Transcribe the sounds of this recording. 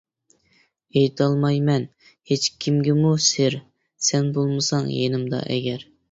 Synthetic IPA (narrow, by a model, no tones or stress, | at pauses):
ejt̪ʰɑlˠmɑjmɛn | het͡ʃkʲʰimɡʲɪmuseɾ | sɛnbolˠmɨsɑŋjenɪmd̪ɑ̰ʔɛ̰ɡʲɛɾ